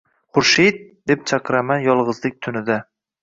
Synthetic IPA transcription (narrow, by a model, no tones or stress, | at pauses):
χʊɾʃejd̪̚d̪e̞p̚t͡ʃʰɑqʰɨɾamanjɒlˠʁɨzlˠɪk̚ʲt̪ʰʊnɪd̪a